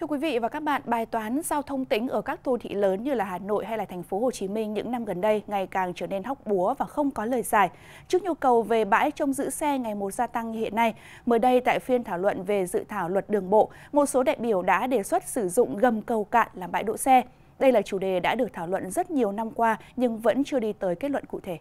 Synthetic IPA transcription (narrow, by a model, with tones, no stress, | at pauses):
t̪ʰɨ˧əkwi˨˦vḭ˧˨vaː˨˩kaː˦˥k̚ɓa̰ː˧˨nɓaː˨˩jt̪waː˨˦nzaː˧wt̪ʰə˧wŋ͡mt̪ï˨˦ŋ̟ʔəː˧˩kaː˦˥k̚t̪ʰo˧nt̪ʰḭ˧˥ləː˨˦nɲɨ˧laː˨˩haː˨˩no̰˧˨jɦa˧jlaː˨˩t̪ʰɛ˨˩ŋ̟fo˨˦ho˨˩t͡ɕi˨˦mï˧ŋ̟ɲɨ̰˧˥ŋna˧mɣə˨˩nɗə˧jŋa˨˩jkaː˨˩ŋt͡ɕəː˧˩ne˧nɦɔ˦˥wk͡p̚ɓu˨˦əvaː˨˩xə˧wŋ͡mkɔ˨˦ləː˨˩jzaː˨˩j | t͡ɕɨ˦˥ək̚ɲu˧kə˨˩wve˨˩ɓa̰ː˧˥jt͡ɕɔ˧wŋ͡mzɨ̰˧˥sɛ˧ŋa˨˩jmo˨˩t̚zaː˧t̪a˧ŋhḭ˧˨ənːa˧j | məː˨˦jɗə˧jt̪a̰ː˧˨jfi˧ənt̪ʰaː˧˩wlwə̰˧˨nve˨˩zɨ̰˧˨t̪ʰaː˧˩wlwə˨˩t̚ɗɨ˨˩əŋɓo̰˧˨ | mo˨˩t̚so˨˦ɗa̰ː˧˨jɓi˧˩əwɗa̰ː˧˥ɗe˧˩swə˦˥t̚sɨ˧˩zʊ̰˧˨ŋ͡mɣə˨˩mkə˨˩wka̰ː˧˨n̚laː˨˩mɓa̰ː˧˥jɗo̰˧˨sɛ˧ | ɗə˧jlaː˨˩t͡ɕu˧˩ɗe˨˩ɗa̰ː˧˥ɗɨ˨˩ək̚t̪ʰaː˧˩wlwə̰˧˨nzə˦˥t̚ɲi˨˩əwna˧mkwaː˧ɲɨ˧ŋvə̰˧˥nt͡ɕɨ˧əɗi˧t̪əː˨˦jke˦˥t̚lwə̰˧˨nkṵ˧˨t̪ʰe˧˩